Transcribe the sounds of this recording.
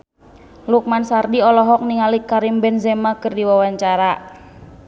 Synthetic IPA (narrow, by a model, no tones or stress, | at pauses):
luk̚mansardiɔlɔɦɔk̚niŋalikaɾimbɛnzɛmakɨrdiwawaɲt͡ʃaɾa